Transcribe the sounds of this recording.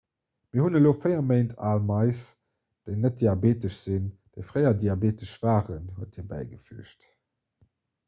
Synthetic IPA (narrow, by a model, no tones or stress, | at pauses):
miːɐhunəloːfəɪɐmeɪntʰaːlmɑɪs | d̥eɪnət̚d̥iabeːtəʃz̥ind̥eɪfʁɜɪɐdiabeːtəʃv̥aːʁənhuət̚iːɐbæ̰ɪɡəfyəʃt